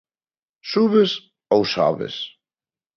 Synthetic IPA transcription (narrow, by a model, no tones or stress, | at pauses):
suβes | owsa̰βḛs